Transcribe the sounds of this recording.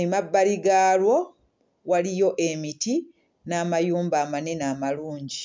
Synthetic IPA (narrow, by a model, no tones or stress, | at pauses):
emabːaliɡaːlwo̞ | walijo̞ʔemiti | naːmajuːmbaːmanenaːmaluːɲɟi